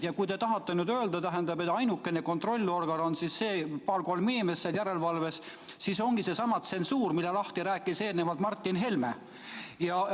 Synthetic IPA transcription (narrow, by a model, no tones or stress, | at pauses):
jɑkujt̪e̞t̪ɑɦɑt̪ːˑenyːd̪øːld̪ɑt̪æɦend̪ɑbe̞t̪ːˑɑjnukːˑe̞neko̞nt̪ro̞lʲːio̞rɡ̥ɑno̞nsisːe̞ːpɑlko̞lminime̞sːeljæɾe̞lvɑlve̞s | siso̞ŋɡ̥ise̞sɑmɑt̪se̞nsuːrmilːelɑht̪iɾæːkˑːise̞ːlnevɑlt̪mɑrt̪ːinɦe̞lme | jɑ